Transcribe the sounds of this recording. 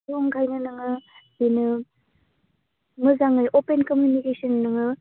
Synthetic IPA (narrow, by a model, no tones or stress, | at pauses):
joŋɡʰʱajnɯnɐŋɯ | inɯ | mɯzaŋɯjʔopenkomjunikesɔnːɯŋɯ